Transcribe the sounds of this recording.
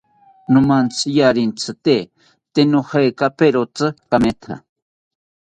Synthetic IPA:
numant͡sʰɨjaɾint͡sʰɨt̪e | t̪enohajkapeɾot͡sɨkamet̪ʰa̰

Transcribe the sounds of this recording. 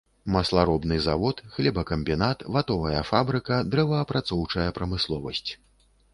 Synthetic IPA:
mɐslˠaɾɔbnɨzavɔt̪xlʲɛbɐkɐmʲbʲinat̪vat̪ɔvɐjɐfabɾɨkɐd̪ɾɛvɐːpɾat̪sɔwt͡ʂɐjɐpɾɐmɨslˠɔvɐsʲt͡sʲ

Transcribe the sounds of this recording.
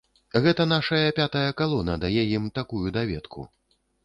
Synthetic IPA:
ɣɛt̪ɐnaʂɐjɐpʲat̪ɐjɐkalˠɔnɐd̪ajɛjimt̪akujud̪avʲɛt̪kʰṵ

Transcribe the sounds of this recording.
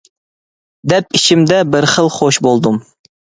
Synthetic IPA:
d̪ɛpit͡ʃʰimd̪ɛbɪɾχəlˠχoʃbolˠd̪um

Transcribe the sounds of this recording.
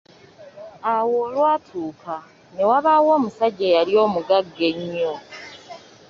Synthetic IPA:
awo̞ːlwaːtʰuːkʰa | newaβawo̞ːmusaɟejalio̞ːmuɡaɡːe̞ɲːo

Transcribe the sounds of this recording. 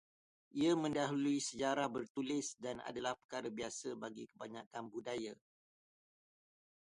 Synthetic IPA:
ʔiamə̃ndaɦuluisəd͡ʒaɾahbərt̪ulɪsdana̰dalahpə̥kaɾabiasəbaɡikəbaɲakanbudaja

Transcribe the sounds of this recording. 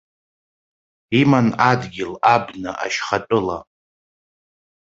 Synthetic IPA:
imanadɡʲɪlabnɨʔa̰ʃχatʼɨla̰

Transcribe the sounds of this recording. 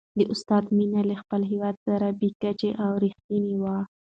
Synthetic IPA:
d̪əʔʊst̪ɑd̪minalaxpəlɦiwɑd̪̚saɾabekat͡ʃeʔawɾixt̪iniwa

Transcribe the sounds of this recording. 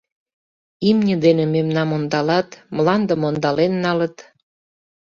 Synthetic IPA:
imnʲəd̪enememnɑmond̪ɑlɑt̪mlɑnd̪əmond̪ɑlenːɑlət̪

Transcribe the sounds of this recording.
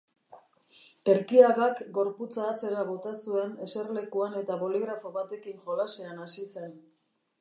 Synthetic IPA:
e̞ɾkiaɣakɡo̞ɾput͡saːt͡se̞ɾaβo̞t̪asue̞ne̞se̞ɾle̞kuane̞t̪aβo̞liɣɾafo̞βat̪e̞kiŋʝo̞laseanasise̞n

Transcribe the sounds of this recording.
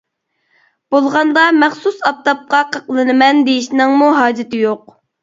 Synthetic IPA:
b̥olˠʁɑnd̪ɑmæχsusɑp̚t̪ɑp̚qɑqʰəqlˠɨnɨmɛnd̪ejiʃnɨŋmuɦɑːd͡ʒɪt̪ɪjoq̚

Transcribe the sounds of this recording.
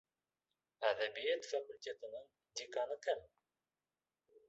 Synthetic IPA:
æʕðæbijæd̪fæməlt̪it̪ˤnən | d̪ikɑnəkːæn

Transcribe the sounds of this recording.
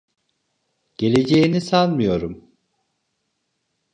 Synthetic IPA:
ɟ̥e̞lʲe̞d͡ʒe̞jinisalˠmɯjo̞ɾum

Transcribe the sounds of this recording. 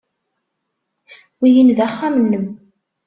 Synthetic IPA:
wijənðæχːamənːəm

